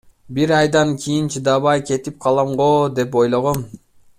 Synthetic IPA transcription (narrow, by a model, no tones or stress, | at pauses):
biɾɑjd̪ɑnkʲʰijint͡ʃʰid̪ɑβɑjkʲʰe̞t̪ip̚qʰɑlˠɑmʁod̪epojlˠoʁon